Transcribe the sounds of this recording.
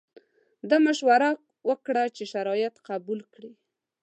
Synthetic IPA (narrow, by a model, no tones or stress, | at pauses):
d̪əmaʃwaɾa | wəkɽat͡ʃeʃaɾɑjɪt̪qabulkɽi